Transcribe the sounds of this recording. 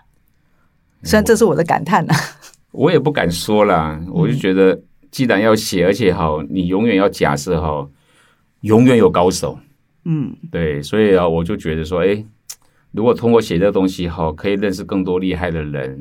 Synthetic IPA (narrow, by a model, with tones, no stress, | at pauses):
sa˥nʈ͡ʂɤ˥˧ʂɻ̩˥˩wɔ˨˩d̪ə˦ka̰˨˩nt̪ʰa˥˩nə˨˩ | wɔ˧˥jɛ˨˩pu˥˩ka̰˨˩nʂwɔ˥lə˨wɔ˨˩t͡ɕjo˥˩ʊt͡ɕɥɛ˧˥d̪ə˧ | t͡ɕi˥˩ɻa˧˥njɑ˥˩ʊɕjɛ˨˩ə˞˧˥t͡ɕʰjɛ˨˩xɑ˨˩ʊni˨˩jʊ˧˥ŋɥɛ˨˩njɑ˥˩ʊt͡ɕja̰˨˩ʂ̩˥˧xo˧˩ʊ | jʊ˧˥ŋɥɛ˨˩˦njo˨˩ʊkɑ˥ʊʂo˨˩˦ʊ˥˩ | t̪we˥˩ɪswɔ˧˥i˨˩ə˧wɔ˨˩t͡ɕjo˥˩ʊt͡ɕɥɛ˧˥d̪ə˧ʂ̬wɔ˥e˥ɪ | ɻu˧˥kwɔ˨˩t̪ʰʊ˥ŋkwɔ˥˩ɕjɛ˨˩d̪ə˦ə˧t̪ʊ˥ŋɕi˧xɑ˥˩kʰɤ˧˥i˨˩lə˥˧nʂ̬ɻ̩˥˧kɤ˥˩ŋt̪wɔ˥li˥˧xa˥˩ɪd̪ə˩ɻə̰˧˥n